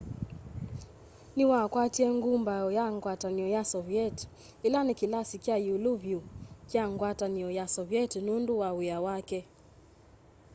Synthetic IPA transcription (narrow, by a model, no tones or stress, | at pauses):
niwakwatiɛŋɡumbajɔjaŋɡwataniɔjasɔviɛt | ilanikilasikiajuluvjukiaŋɡwataniɔjasɔviɛtnunduwawiawakɛ